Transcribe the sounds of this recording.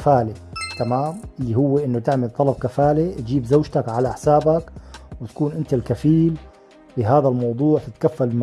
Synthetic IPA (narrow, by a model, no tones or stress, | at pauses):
faːlet̪amaːmlːihʊwːeʔɪnːʊt̪ɪʕmalt̪ˤɑlɑb̚kafaːlet̪d͡ʒiːbzawʒt̪akʕalaħsaːbakwɪt̪ḁkuːnʔɪnt̪alkafiːl | bɪɦaːðalmɑwðˤuːʕt̪ɪt̪kafːalm